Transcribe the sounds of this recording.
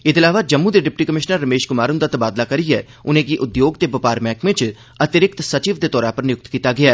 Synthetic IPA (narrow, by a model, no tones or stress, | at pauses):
ɪd̪ɪlaːʋad͡ʒəmːũd̪eɖɪp̚ʈiːkəmɪʃnəɾːəmeːʃkʊmaːɾʊnd̪aːt̪əbaːd̪lakəɾiɦɛː | ʊnẽːk̬iʔʊd̪joːɡt̪eːbɐpaːɾmɛ̃ːkʋɪ̃t͡ʃ | ɐt̪ɪɾɪk̚t̪sət͡ʃiːʋd̪eːt̪ɔːɾaːpəɾnɪjʊk̚t̪kiːt̪aɡɪjaːɛː